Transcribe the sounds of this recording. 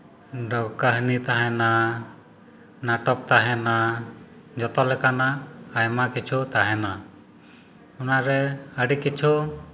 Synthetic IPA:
ɖɔkəɦnit̪aɦɛna | naʈɔp̚t̪aɦɛna | d͡ʒɔt̪ɔlɛkanaːjmakit͡ʃʰut̪aɦɛna | unaɾɛəɖikit͡ʃʰu

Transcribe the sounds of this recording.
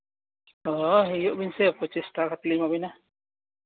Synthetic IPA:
ɔɦijɔʔbinsepɔt͡ʃist̪akat̪limabina

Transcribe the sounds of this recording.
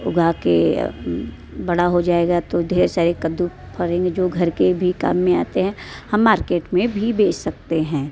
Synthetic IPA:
ʊ̰ɡʱake | bɐɽ̤aɦod͡ʒaːeːɡat̪od̪ʱeːɾesaːɾekɐd̪u | pʰəɾẽːŋɡed͡ʒoːɡʱɐɾkebʱika̰ːmːẽaːt̪eɦɛ̃hɐmːaːɾkeːʈmẽbʱibeːt͡ʃsɐk̚t̪eɦɛ̃ː

